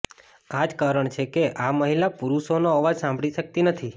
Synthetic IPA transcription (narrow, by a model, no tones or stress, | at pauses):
ad͡ʒkaɾəɳt͡ʃʰekeʔaməɦilapuɾuʃonoəʋad͡ʒsãmbʱɽiʃək̚t̪inət̪ʰi